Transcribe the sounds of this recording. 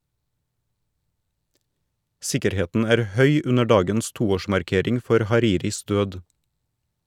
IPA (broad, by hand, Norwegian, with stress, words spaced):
ˈsɪkəɾˌheːtn̩ ˈæːɾ ˈhœʏ ˈʉnə ˈɖɑːɡəns ˈtuːˌoːʃmɑɾˌkeːɾɪŋ ˈfɔɾ hɑˈɾiːɾɪs ˈdøːd